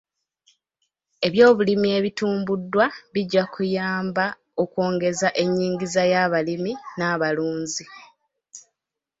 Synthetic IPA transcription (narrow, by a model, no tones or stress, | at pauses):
e̞βjo̞ːβulimie̞βituːmbudːwaβiɟːakujaːmba | o̞kwo̞ːŋɡe̞zaʔe̞ɲːiːŋɡizajaβaliminaːβaluːɲzi